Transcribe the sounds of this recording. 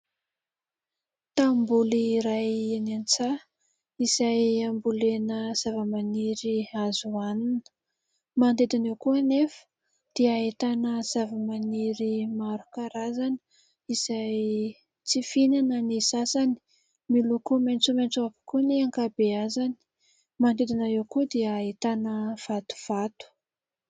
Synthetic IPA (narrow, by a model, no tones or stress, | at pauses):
t̪ambuliɾajenant͡sa | iz̥ajambulenəz̥avəmaniɾiazuaninə̥ | mant̪ed̪anewkuənefə̥ | d̪̥iaɦit̪anəz̥avəmaniɾimaɾukaɾazani̥ | iz̥aj | t͡sifinanənisasani̥ | milukument͡sument͡suapi̥kuneaŋkabeazani̥ | mand̪ed̪inaewkud̪iəit̪anəv̥at̪u̥v̥at̪u̥